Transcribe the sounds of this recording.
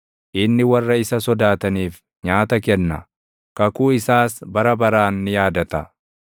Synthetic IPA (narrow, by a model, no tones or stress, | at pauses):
ʔɪnːɪwɐrːɐɪsɐsɔd̪aːt̪ɐniːf | ɲaːt̪ɐkɛnːɐ | kɐkuːɪsaːsbɐɾɐbɐɾaːnːɪjaːd̪ɐt̪ɐ